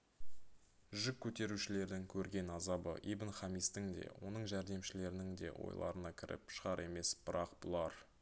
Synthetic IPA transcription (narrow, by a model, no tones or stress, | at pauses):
ʒʏkʲʰːɵt̪e̞ɾuʃɪle̞ɾd̪ɪŋkʲʰɵɾɡʲe̞nɑzɑbə̰ʔibənχɑmist̪ɪŋd̪ḛwo̞̰nəɴʒæɾd̪e̞mʃɪle̞ɾɪnɪŋd̪e̞̰wo̞̰jlˠɑ̰ɾənɑkʲʰɪɾɪ̰pʃəʁɑɾʔe̞me̞sb̥ɪɾɑqb̥ʊlˠɑɾ